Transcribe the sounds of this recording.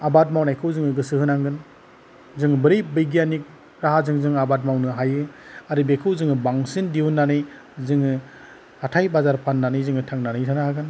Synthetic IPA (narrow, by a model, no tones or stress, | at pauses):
abat̚mawnajkʰɯwzɯŋɯɡɯsɯhɯnaŋɡɯn | zɯŋbɯɾijbɯjɡijanik̚ | ɾaɦazɯŋzɯŋabat̬̚mawnɯɦajɯaɾɯbekʰɯwzɯŋɯbaŋsindiwunːanɯj | zɯŋɯ | hatʰajbazaɾpʰanːanɯjzɯŋɯtʰaŋnanɯjtʰanahaɡɯn